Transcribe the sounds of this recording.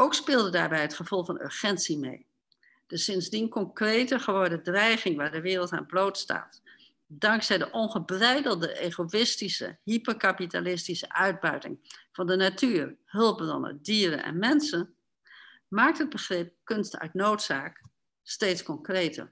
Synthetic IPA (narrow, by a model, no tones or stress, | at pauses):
owkspɪːlˠdədaːɹbɛjɦətχəv̥ɔlˠfɑnø̰ɹχɛnsimḛj | d̥əsɪnzdinkɔŋkrejtəχəʋɔɹdədrɛjχɪŋʋaːɹdəʋɪːrəlˠta̰nblowtsta̰ːt | dɑŋksɛjdəʔɔnχəbrɛjdəlˠdəʔeːχoɪstisə̰ɦipəkapita̰lɪstisəʔœɥd̚bœɥtɪ̰ŋv̥ɑndənatyːrɦɵlˠp̚brɔ̰nə̰diːɾə̰nʔɛ̰nmɛnsən | maːk̚tɦəd̚bəχrɪp̚kɵnstœ̰ɥtnowtsaːk | stejtskɔŋkrejtə̰r